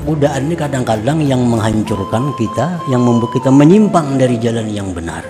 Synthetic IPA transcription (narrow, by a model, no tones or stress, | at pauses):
ɡudaʔannikadaŋkadaŋjaŋməŋɦaɲt͡ʃʊrkankit̪a | jaŋməmbuat̪̚kit̪aməɲimpaŋdaɾid͡ʒalanjaŋbəna̰r